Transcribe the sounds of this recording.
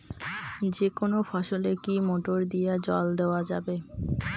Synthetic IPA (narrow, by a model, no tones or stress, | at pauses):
d͡ʑekonofɔʃolekimoʈoɾd̪ijad͡ʑɔ̰ld̪eoad͡ʑa̰be